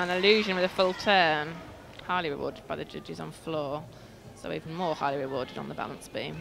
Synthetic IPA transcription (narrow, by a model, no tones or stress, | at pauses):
ə̃nɪljʉːʒə̃nwɪðəfʊlˠtʰɜːm | haɪliɹɪ̰wɔ̰ːdɪd̚baɪðəd͡ʒʌ̰d͡ʒɪz̃n̩flɔː | səʊiːvə̃n̩mɔːhaɪliɹɪwɔːdɪd̃n̩ðəba̰lə̃nsb̥ḭ̃ːm